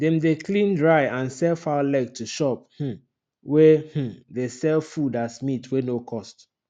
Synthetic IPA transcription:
dɛ̃mdekʰlĩndɹaɪãnsɛlfalɛɡ̚tʰuʃɔp̚h̩ | wɛh̩desɛlfudasmitʰwenokʰɔst

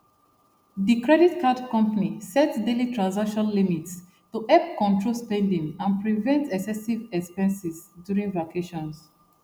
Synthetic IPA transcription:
dikɹɛditkʰadkɔ̃mpanisɛtdelitɹãnsakʃɔ̃nlimits | tuʔɛpkɔ̃ntɹolspɛ̃ndĩŋãnpɹivɛ̃ntɛksɛsivɛkspɛ̃nsizdjuɹĩŋvakʰeʃɔ̃ns

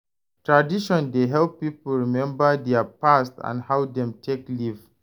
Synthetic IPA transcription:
tɹadiʃɔ̃ndeɦɛlpːipl̩ɹimɛ̃mbədɛapastã̰nhawdɛ̃mtʰekliv

